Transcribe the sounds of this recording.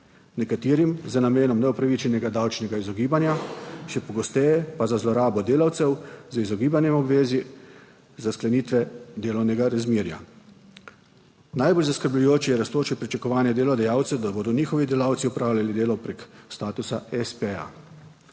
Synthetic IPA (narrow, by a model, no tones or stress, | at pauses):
nɛkat̪iːɾimzənameːnɔmnɛɔpɾaʋit͡ʃɛnɛɡad̪awt͡ʃnɛɡaizɔɡiːbanjaʃɛpɔɡɔst̪ɛjɛpazazlɔɾaːbɔd̪eːlawt̪sɛwzizɔɡiːbanjɛmɔbʋeːzi | zasklɛniːt̪ʋɛd̪eːlɔwnɛɡaɾazmiːɾja̰ | najboːlʲzaskəɾblujoːt͡ʃijɛɾast̪oːt͡ʃɛpɾit͡ʃakɔʋaːnjɛd̪eːlɔd̪ɛjaːwt̪sɛd̪abod̪ɔniːxɔʋid̪elawt̪siɔpɾaːwlʲjalid̪eːlɔpɾekst̪aːt̪usaɛspea̰